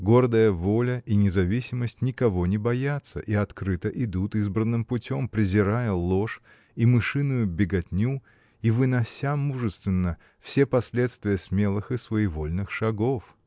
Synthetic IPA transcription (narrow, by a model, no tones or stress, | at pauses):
ɡo̞rd̪əjəvolʲəʔinʲɪzɐvʲisʲɪməsʲtʲnʲɪkɐvo̞nʲɪbɐjat̪sə̰ʔiɐt̪kɾɨt̪əʔɪd̪ut̪izbɾənːɨmpʊtʲo̞mpɾʲɪzʲɪɾajəlˠo̞ʂ | imɨʂɨnʊjʊbʲɪɡɐtʲnʲu | ivɨnɐsʲamuʐɨst̪vʲɪnːə | fsʲe̞pɐsʲlʲet̪st̪vʲɪjəsmʲe̞lˠɨxɨsvəɪvo̞lʲnɨxʂɐɡof